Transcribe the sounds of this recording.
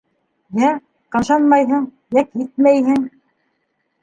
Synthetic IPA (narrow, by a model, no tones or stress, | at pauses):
jæ | qɑ̆ʃɑnmɑjɦɤɴ | jækjɘt̪̚mæjɦɘŋ